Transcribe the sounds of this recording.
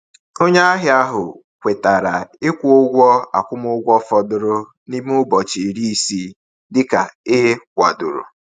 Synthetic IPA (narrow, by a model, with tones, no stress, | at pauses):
o˦ɲ˦a˦ɦɪ˨˦a˦ɦʊ˨ | kʷe˨ta˨ɾa˨ɪ˦kʷʊ˦ɡʷɔ˦a̰˨kʷʊ˦mʊ˦ɡʷɔ˦fɔ˨dʊ˦ɾʊ˦ | ni˦m˦ʊ˦bɔ˨t͡ʃi˨ɾi˦i˦si˦ | dɪ˦ka˨ɪ˦ɦe˦kʷa̰˨dʊ˨ɾʊ̰˨